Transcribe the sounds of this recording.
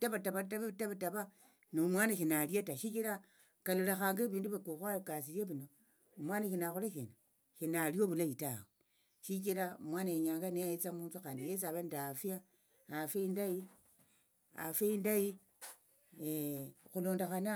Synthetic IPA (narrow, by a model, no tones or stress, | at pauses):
taβataβataβtaβataβa | nomwanaʃinaljataʃikiɾa | kalulexaːŋɡeβiːnduβekuxwalkas̬iljeβino | umwanaʃinaxuleʃina | ʃinalioβulajitawe | ʃikiɾamwaːnaeɲaːŋɡaneajit͡samuːnt͡suxaːndijes̬aβandafja | afeindai | a̰feindaji | exuloːndexana